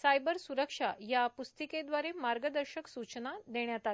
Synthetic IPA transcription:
sajbəɾsuɾəkʂajapust̪iked̪ʋaɾemaɾɡəd̪əɾɕəksut͡ɕnad̪eɳjat̪at̪

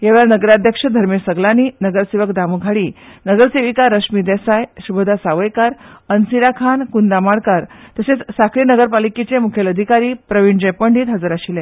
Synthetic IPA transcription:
jaʋɭjaɾnəɡəɾad̪ʱjəkʂəd̪ʱəɾmesəɡlaniːnəɡəɾseʋəkd̪amuɡʱaɽiːnəɡəɾseʋikaɾəʂmid̪ɛsajsubəd̪ʱasaʋəjkaɾənsiɾakʰankund̪amaɽkaɾt̪əset͡ssakʰɾiːnəɡəɾpaliket͡semukʰeləd̪ʱikaɾiːpɾəʋiɲd͡ʑə̃jpəɳɖiːt̪ɦəd͡zəɾaɕilẽ

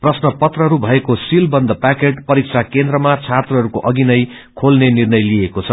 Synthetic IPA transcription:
prʌsnʌpʌt̪rʌɦʌɾubʱʌekosilbʌnd̪ʌpakeʈpʌɾik̚sʰakend̪ɾʌmat͡sʰat̪rʌɦʌɾukoʔʌɡinʌj | kʰolnenirnʌjliekot͡sʰʌ

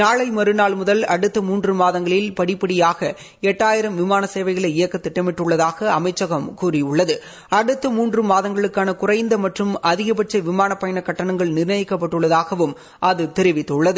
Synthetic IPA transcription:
naːɭɐɪmɐɾɯnaːɭmʊðɐlɐɽɯt̪ːɐmuːndrɯmaːðɐŋɡɐɭɪlpɐɽɪpːɐɽɪjaːɣɐ | ɛʈːaːjɪɾɐmʋɪmaːnɐseːʋɐɪɣɐɭɐɪjɐkːɐt̪ːɪʈːɐmɪʈːɯɭːɐðaːɣɐɐmɐɪt͡ʃːɐɣɐmkuːrɪʊɭːɐðɯ | ɐɽɯt̪ːɐmuːndrɯmaːðɐŋɡɐɭɯkːaːnɐkʊrɐɪnd̪ɐmɐʈrɯmʔɐðɪɣɐpɐʈt͡ʃɐɪʋɪmaːnɐpːɐjɐɳɐkːɐʈːɐɳɐŋɡɐɭnɪrnɐjɪkːɐp̬ːɐʈːɯɭːɐðaːɣɐʋɯm | ʔɐðɯt̪ɛɾɪʋɪt̪ːɯɭːɐðɯ

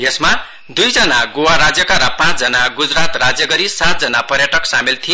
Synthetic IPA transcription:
jesma | d̪ujd͡zʌnaɡowaɾad͡zjʌkaɾʌpãt͡sd͡zʌnaɡud͡zɾat̪rad͡zjʌɡʌɾisat̪̚d͡zʌnapʌɾjʌʈʌksamilt̪ʰij

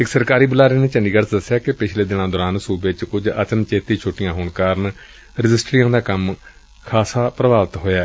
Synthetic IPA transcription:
ɪksəɾkaːɾiːbʊlaːɾeːneːt͡ʃəɳɖiːɡəɾt͡ʃd̪əsːejaːkɪpɪt͡ʃʰleːd̪ɪnãːd̪oːɾaːnsuːbeːt͡ʃkʊd͡ʒət͡ʃənt͡ʃeːt̪iːt͡ʃʰoːʈɪjãːɦoːɳkaːɾən | ɾɪd͡ʒɪsʈɾɪjãːd̪aːkəm | kʰaːsaːpɾəʋaːʋt̪ɦoːjaː

